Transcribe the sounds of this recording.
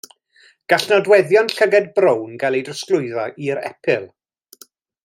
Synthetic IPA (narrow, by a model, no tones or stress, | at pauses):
ɡ̥aɬnɔdwɛðjɔnɬəɡɛd̚brownɡalˠejdrəsklˠʊɨðɔʔiɾɛ̰pʰɪlˠ